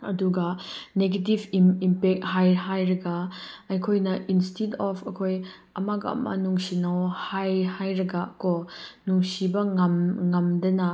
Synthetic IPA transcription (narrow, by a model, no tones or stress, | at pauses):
ɐduɡɐneɡetivimimpɛk̚t̚hajɦajɾɐɡaɐjkʰojnɐʔinstidɔpʰɐkʰoj | ɐmaɡɐ̰mɐ̰nuŋsinawhajhajɾɐɡakɔnuŋsibɐŋɐmŋɐmdɐnɐ